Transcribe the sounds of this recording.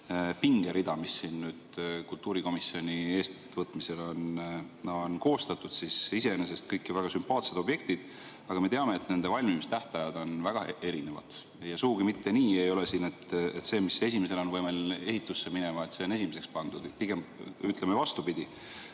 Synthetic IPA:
piŋɡ̥eɾid̪ɑmisːiːnnyːd̪̥kult̪ːuːɾiko̞misːio̞nʲie̞ːst̪ | vɤt̪ːˑmise̞lo̞n | onko̞ːst̪ɑt̪ːˑud̪̥sisise̞ene̞s̬e̞st̪̚kɤjkːˑivæɡ̥ɑsympɑːt̪se̞d̪o̞bje̞k̚t̪id̪̥ | ɑɡɑme̞t̪eɑme̞ːt̪ːne̞nd̪̥e̞vɑlʲmimist̪æht̪ɑjɑd̪̥o̞nvæɡ̥ɑe̞ɾine̞vɑ̰d̪̥ | jɑsuɡuɡ̥imit̪ːe̞niːe̞jo̞lesiːne̞t̪et̪se̞ːmise̞simese̞lo̞nvɤjmele̞ɦit̪ˑːusːe̞mine̞mɑet̪se̞o̞ne̞simese̞kspɑnd̪̥ud̪̥piɡ̥e̞myt̪le̞mevɑst̪upid̪̥i

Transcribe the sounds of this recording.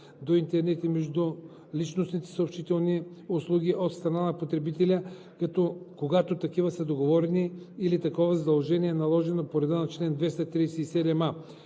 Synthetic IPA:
d̪oint̪ɛɾnɛt̪imɛʒd̪u | lit͡ʃnosnit̪ɛ̥sɐopʃit̪ɛlˠniʊslˠuɡʲiʔot̪st̪ɾɐnanɐpot̪ɾɛbit̪ɛlʲə | kɐt̪ɔkoɡat̪ot̪ɐkivɐsəd̪oɡovɔɾɛniːlit̪ɐkɔvɐzɐd̪ɐlˠʒɛniɛnɐlˠɔʒɛnopoɾɛd̪ənɐt͡ʃlɛnd̪vɛst̪ɐt̪ɾisɛisɛd̪ɛma

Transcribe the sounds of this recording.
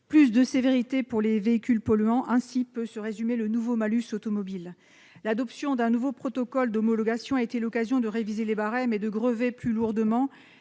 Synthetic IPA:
plys̬d̪əseveʁit̪epuʁleveikʲylpɔlyɑ̃ʔɛ̃sipøsəʁezymelənuvomalysot̪ɔmɔbil | lad̪ɔpsjɔ̃d̪ɛ̃nuvopχɔt̪ɔkɔld̪ɔmɔlɔɡasjɔ̃aet̪elɔkazjɔ̃d̪əʁevizelebaʁɛmɛd̪əɡʁəveplyluʁd̪əmɑ̃

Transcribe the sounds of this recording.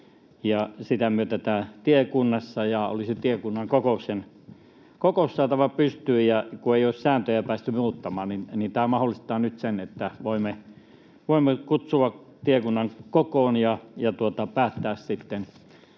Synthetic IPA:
jɑsit̪æmyøt̪æt̪æːt̪iekunːɑsːɑjɑo̰liset̪iekunːɑŋkokousen | kokoussɑːt̪ɑʋɑpyst̪yːjɑkueioˑssæːnt̪øjæpæːst̪ymuːt̪ːɑmɑːnninnint̪æːmɑholːˑist̪ɑːnyt̪senet̪ːæʋoimːe | ʋoˑimːekut̪suɑ | t̪iekunːɑŋkokoːnjɑjɑt̪uot̪ɑpæːt̪ːæːssit̪ːen

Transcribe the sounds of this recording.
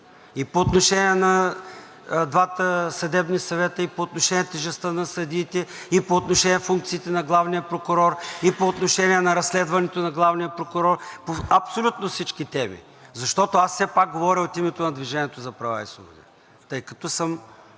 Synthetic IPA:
ipoːt̪noʃɛniɛnɐ | d̪vat̪əsɐd̪ɛbnisɐvɛt̪əipoːt̪noʃɛnʲiɛt̪ɛʒɛst̪ənɐsəd̪iːt̪ɛipoːt̪noʃɛnʲiɛfuŋk̚t̪siːt̪ɛnɐɡlˠavnijəpɾokʊɾɔɾipoːt̪noʃɛnʲiɛnɐɾɐsːlɛd̪vɐnɛt̪onɐɡlˠavnijəpɾokʊɾɔrpoɐpsolʲut̪nofsit͡ʃkit̪ɛmḭ | zɐʃt̪ɔt̪oasːɛpak̚ɡovɔɾʲiot̪imɛt̪onɐd̪viʒɛniɛt̪ozɐpɾɐva̰ḭsˠṵbod̪ḭ | t̪ɤjkɐt̪ɔsəm

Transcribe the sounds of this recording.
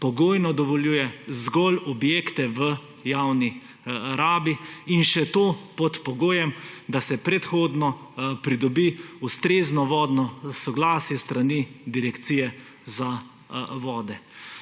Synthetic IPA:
pɔɡoːjnɔd̪ɔʋɔljuːjɛzɡɔlɔbjeːkt̪ɛʋə | jawni | ɾaːbiinʃɛt̪oːpɔt̪pɔɡoːjɛmd̪asɛpɾɛt̪xoːd̪nɔpɾid̪ɔbiust̪ɾeznɔʋɔːd̪nɔsɔɡlaːsjɛst̪ɾanid̪iɾɛkt̪siːjɛ | za | ʋɔːd̪ɛ

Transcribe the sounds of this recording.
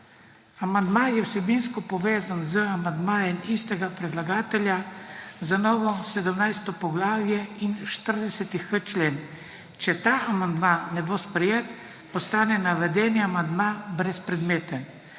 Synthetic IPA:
amand̪majɛwsɛbinskɔpɔʋeːzanzəamand̪maːjɛmist̪ɛɡapɾɛd̪laɡaːt̪ɛljazanɔːʋɔsɛd̪əmnajst̪ɔpɔɡlaːʋijɛinʃt̪əɾd̪ɛsɛt̪ixət͡ʃleːn | t͡ʃɛt̪aːamand̪manɛbospɾɛjeːt̪ | pɔst̪aːnɛnaʋɛd̪ɛːniamand̪mabɾɛspɾɛd̪meːt̪ən

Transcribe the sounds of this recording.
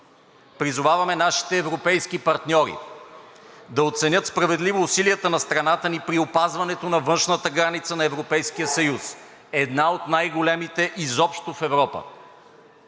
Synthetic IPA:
pɾizʊvavɐmɛnaʃi̥t̪ɛːvɾopɛjskipɐɾt̪nʲɔɾḭ | d̪ɐot̪sɛnʲɤt̪spɾɐvɛd̪livoːsilijət̪ənɐst̪ɾɐnat̪ənipɾiopazvɐnɛt̪onɐvɤnʃnət̪əɡɾanit̪sənɐɛvɾopɛjsk̟ijəsɐjus | ɛd̪naot̪najɡolɛmit̪ɛʔizɔpʃt̪ofɛvɾɔpə̰

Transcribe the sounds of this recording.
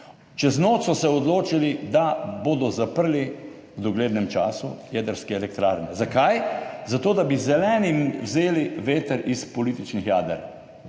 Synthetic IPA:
t͡ʃɛznoːt̪sɔsɛɔd̪loːt͡ʃilid̪aboːd̪ɔzapəɾli | wd̪ɔɡleːd̪nɛmt͡ʃaːsṵjɛd̪əɾskɛɛlɛkt̪ɾaːɾnɛzakajzat̪oːd̪abizɛlɛːnimwzeːliʋeːt̪əɾispɔliːt̪it͡ʃnixjaːd̪əɾ

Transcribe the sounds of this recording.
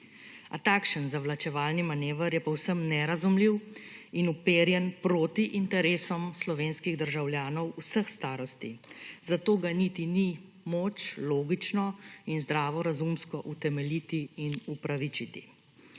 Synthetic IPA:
a̰t̪akʃənzaʋlat͡ʃɛʋaːlnimaneːʋəɾjɛpɔwsəmnɛɾazumliwinupeːɾjɛnpɾoːt̪iʔint̪ɛɾeːsɔmslɔʋeːnskiɣd̪əɾʒawljaːnɔwusəxst̪aːɾɔst̪izat̪oːɡanit̪ini | moːt͡ʃloːɡit͡ʃnɔinzd̪ɾaːʋɔɾazumskɔʔut̪ɛmɛlit̪iːnupɾaʋit͡ʃit̪ḭ

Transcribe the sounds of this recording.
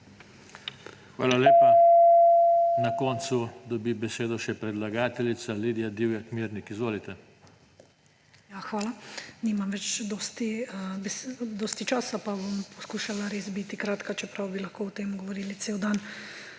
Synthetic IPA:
xʋa̰ːlaleːpa | nakɔnt̪sud̪ɔbibɛseːd̪ɔʃɛpɾɛd̪laɡaːt̪ɛlit̪saliːd̪ijad̪iwjakmiːɾnikizʋoːlit̪ɛ | jaxʋaːlanimamʋɛt͡ʃd̪ɔːst̪iəbɛsd̪ɔːst̪it͡ʃaːsapabompɔskuʃalaɾeːsbit̪ikɾaːt̪kat͡ʃɛpɾawbilaxkoːɔt̪eːmuɡɔʋɔɾiːlit̪seːwd̪an

